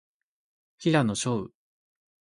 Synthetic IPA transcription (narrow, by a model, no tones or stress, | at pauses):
çʲiɾanoɕoɯ̟̰